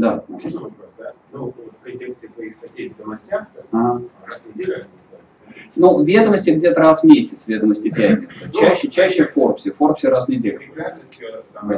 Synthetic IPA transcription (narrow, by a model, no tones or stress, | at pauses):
d̪amo | nopʲɪd̪ʲesʲet̪vɐixsɐtʲevʲɪd̪əmɐsʲtʲaxaɾasnʲɪdʲelʲ | nuvʲe̞d̪əməsʲtʲɪɡdʲe̞t̪əɾasmʲesʲɪt̪svʲe̞d̪əməsʲtʲɪpʲætʲnʲɪst͡ɕæɕːɪt͡ɕæɕːɪforpsʲɪfo̞rpfsʲɪɾasnʲɪdʲelʲɪ | d̪a